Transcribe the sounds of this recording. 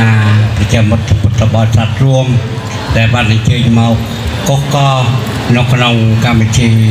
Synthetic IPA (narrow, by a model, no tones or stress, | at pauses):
aːprɑt͡ɕɛ̆əmut̪̚ːput̪rɔɓɑlsat̪̚ruəm | ɗaɛlɓaːnʔaɲt͡ɕəːc̚maɔk̚ː | ohkɑː | nɨwkʰnoŋkamʋɨciː